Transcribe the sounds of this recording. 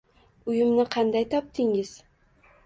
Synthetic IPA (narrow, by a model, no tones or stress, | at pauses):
ʊjɪmnɪqʰɑnd̪ajt̪ʰɒp̚t̪ʰɪŋɪz̥